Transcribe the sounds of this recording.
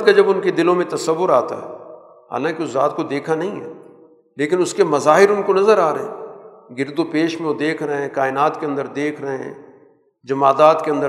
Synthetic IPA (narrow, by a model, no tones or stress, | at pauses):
kad͡ʒɐbʊnked̪ɪlõmẽt̪ɐsəʋːʊɾaːt̪a̰ɦɛ̰ː | ɦa̰ːlãːkiʊszaːt̪kod̪eːkʰanɐɦĩɦɛ̰ː | leːkɪnʊskemɐzaːɦɪɾʊnkonɐzəɾaːɾəɦɛ̰̃ː | ɡɪɾd̪opeːʃmẽod̪eːkʰɾəɦɛ̃ːkaːɪnaːt̪keɐ̃nd̪əɾd̪eːkʰɾəɦɛ̰̃ː | d͡ʒɐmaːd̪aːt̪keɐ̃nd̪ə